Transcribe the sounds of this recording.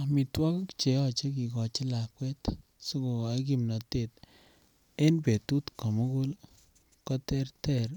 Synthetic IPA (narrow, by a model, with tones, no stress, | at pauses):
mi˨twɔ˦kkt͡ʃe˨ɔ˦t͡ʃe˦k̬i˨kɔ˨t͡ʃɪ˦la˨kwɛ˦t̪ | su˦ko˨a˨˦k̬i˨mna˨te˦t̚ | e˦npe˨tu˦tko˨mu˦ku˦l | kɔ˦te˦ɾte˦ɾ